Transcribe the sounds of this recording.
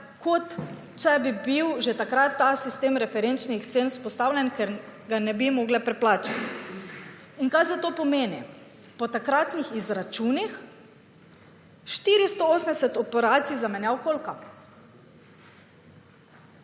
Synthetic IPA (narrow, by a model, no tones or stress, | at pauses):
kʰot̪ | t͡ʃɛbibiwʒet̪akɾat̪ːasist̪eːmɾɛfɛɾent͡ʃnixt̪seːnspɔst̪aːwlʲjɛnkɛɾɡanɛbimɔɡlɛpɾɛplaːt͡ʃat̪ | iŋkajzat̪oːpɔmeːni | pɔt̪akɾat̪nixizɾat͡ʃuːnix | ʃt̪iɾist̪ooːsmɛsɛt̪ɔpɛɾaːt̪sizamɛnjawkolka